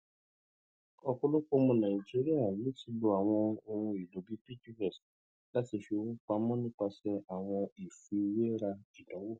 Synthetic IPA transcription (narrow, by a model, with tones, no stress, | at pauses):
ɔ˧ko˧lo˦ko˦mɔ̃˧nã˨i˨d͡ʒi˦ɾi˦a˦˨ji˨˦ti˨˧˦lo˧a˨w̃ɔ̃˧o˧hũ˧i˨lo˨˦bi˦pi˦ti˦wɛ˨s | la˦ti˧ʃe˧o˧wũ˦k͡pa˧˦mɔ̃˦nĩ˦k͡pa˧sɛ˦a˨w̃ɔ̃˧i˨fi˧we˦ɾa˧i˨dɔ̃˨˦wo˦˨